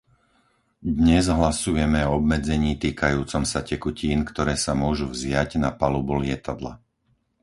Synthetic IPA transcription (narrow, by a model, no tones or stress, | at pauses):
d̪ɲɛzɦlasujɛmɛɔɔbmɛd͡zɛɲiːt̪iːkajuːt͡sɔmsacɛkuciːnkt̪ɔɾɛːsamʊɔʒuvzɪaɟnapalubulɪɛt̪ad̪la̰